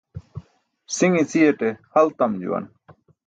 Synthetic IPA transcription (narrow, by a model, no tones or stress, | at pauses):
siŋit͡sʰijeʈehɐlt̪ɐmd͡ʑṵwɐ̰n